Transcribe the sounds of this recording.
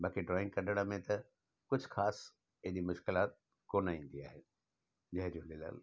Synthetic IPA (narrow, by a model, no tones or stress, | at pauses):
bãːkʰiɖɾɔːɪ̃ŋɡkɐ̃nɖəɽ̃əmẽt̪ɐ | kʊd͡ʑʱʊxaːs | ɪɦɗimʊʃkɪlaːt̪̚ | koːnaːĩːn̆d̪iaːɦe | d͡ʑɐ̃ɦd͡ʑolɪla̰ːl